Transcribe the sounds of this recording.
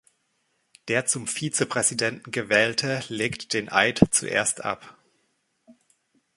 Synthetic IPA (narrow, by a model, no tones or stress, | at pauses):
d̥eːɐt͡sʊmfiːt͡səpʁ̥ɛzidɛntn̩ɡəvɛːltʰəleːktd̥eːnʔaɪtt͡sṵʔḛːɐstʔa̰p